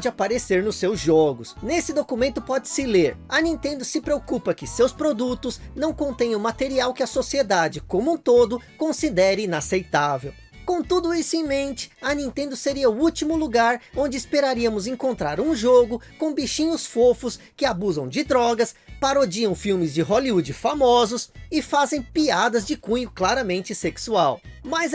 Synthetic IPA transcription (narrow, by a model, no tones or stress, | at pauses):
d͡ʒɪapaɾeseɾnʊsːewzʒɔɡʊsnesɪd̪okumẽnt̪ʊpɔd͡ʒɪ̥sɪleɾɐnĩnt̪ẽnd̪ʊsɪpɾeokupɐkɪsewspɾod̪ut̪ʊznɐ̃w̃kõnt̪ẽj̃ʊmat̪eɾiawkɪɐsosied̪ad͡ʒɪkõmũt̪od̪ʊkõsid̪ɛɾɪinasejt̪avḛw | kõt̪ud̪ʊisʊẽj̃mẽnt͡ʃɪ̥ɐnĩnt̪ẽnd̪ʊseɾiɐʊut͡ʃimʊluɡaɾõnd͡ʒɪspeɾaɾiɐmʊzẽŋkõnt̪ɾaɾũʒoɡʊkõw̃biʃĩɲʊsfofʊskɪabuzɐ̃w̃d͡ʒɪd̪ɾɔɡɐspaɾod͡ʒiɐ̃w̃fiwmɪzd͡ʒɪɦoliud͡ʒɪfamɔzʊsɪfazẽj̃piad̪ɐzd͡ʒɪkũɲʊklaɾɐmẽnt͡ʃɪseksuawmɐz